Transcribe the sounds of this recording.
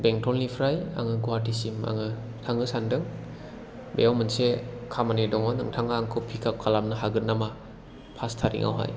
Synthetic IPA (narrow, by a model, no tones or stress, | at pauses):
beŋtʰɔlnipʰɾaja̰ŋɯɡuwatʰisima̰ŋɯ | tʰaŋɯsandɯŋ | bḛjawmɯnsekʰamanidɔŋɔnɯ̰ŋtʰaŋaːŋkʰɯwpʰikʰakʰalamnaɦaɡɯtnama | pʰastʰaɾḭŋʔa̰wɦa̰j